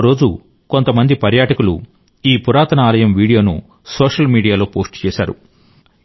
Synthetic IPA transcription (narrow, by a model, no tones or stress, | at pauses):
ɾo̞ːd͡ʒu | ko̞nt̪ɐmɐnd̪ipɐɾjaːʈɐkulṵ | iːpuɾaːt̪ɐnɐaːlɐjɐmʋiːɽijo̞ːnṵ | soːʂɐlmiːɽijaːlo̞ːpoːsʈt͡ʃɛːʃa̰ːɾṵ